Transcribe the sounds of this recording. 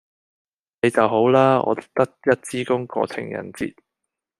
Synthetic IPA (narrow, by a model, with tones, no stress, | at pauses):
ne˨˧jt͡sɐ˨wɦo˨˥wlaː˥ɔ̰ː˨˧t̪t̪ɐ˥k̚jɐ˥t̚t͡siː˥kʊ˥ŋkɔ̰ː˧t͡sʰɪ̰˨˩ŋjɐ̰˨˩nt͡sḭː˧t̚